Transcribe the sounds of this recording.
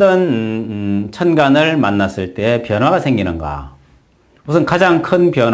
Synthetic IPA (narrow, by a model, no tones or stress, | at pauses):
ʌn | t͡ɕʰʌnɡanɯɭmanːas͈ɯɭt͈e̞epjʌnɦwaɡasʰe̞ŋɡinɯnɡa̰ | musʰɯnkad͡ʑaŋkʰɯnpjʌn